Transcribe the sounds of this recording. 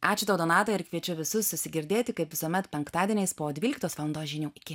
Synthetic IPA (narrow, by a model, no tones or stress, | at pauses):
ʔɑːt͡ʃʲʊt̪ɐʊd̪oːnɑːt̪ɐːɪɾkʋʲiɛt͡ʃʲʊʋʲɪsʊssʊsʲɪɡʲɪɾʲd̪ʲeːt̪ʲɪkɐɪpʋʲɪsuɔmʲɛt̪pʲɛŋkt̪ɑːd̪ʲiɛnʲɛɪspoːd̪ʲʋʲiːlʲɪk̚t̪oːsʋɑlˠɐnd̪oːsʒʲɪnʲuːɪkʲɪ